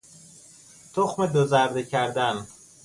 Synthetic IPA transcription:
t̪ʰoxmed̪ozæɾd̪ecʰæɾd̪æn

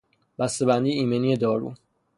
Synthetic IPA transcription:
b̥æst̪e̞bænd̪iːiːmenijed̪ɒːɾṵː

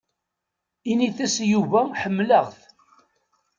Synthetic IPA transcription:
iniθæsjuvæħəmːləʁθ

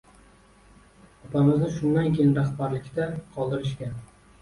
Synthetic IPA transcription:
ɒpʰamɪznɪʃʊnd̪ankʲʰejɪnɾahbaɾlɪkʲt̪aqʰɒlˠd̪ɪɾɪʃ̬kʲa

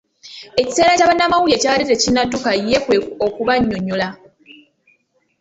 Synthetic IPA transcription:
e̞ci̥se̞ːɾacaːβanːamawujecaːβaletecinadukajekweokuβaɲːoɲola

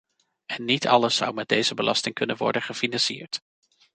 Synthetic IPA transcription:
ɛnːitʰɑləsʌ̰wmɛd̚dejzəbəlʔɑstɪŋkɵnənʋɔ̰ɹdəχəfinɑnsiːɹt

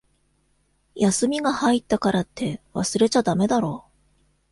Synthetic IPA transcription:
jasɨmʲiɡahait̪ːakaɾat̪ʰːe̞βa̰sɨɾe̞t͡ɕad̪ame̞d̪aɾo̞ː

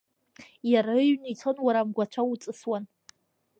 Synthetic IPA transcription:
jaɾaɥnijt͡sʰonwaɾamɡʷat͡ʃʷʰaut͡sʼɨswan

